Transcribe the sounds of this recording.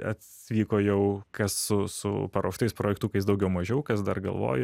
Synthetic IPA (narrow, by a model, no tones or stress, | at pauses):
ɐ̰t̪ʲsʲʋʲiːkoːjɛʊkɐsːʊsʊ̰pɐɾoːʃt̪ɐɪspɾoːjɛkt̪uːkɐɪsd̪ɐʊɡʲɛʊmɐʒʲɛʊkɐsd̪ɐrɡɐ̰lˠʋo̰ːjɛ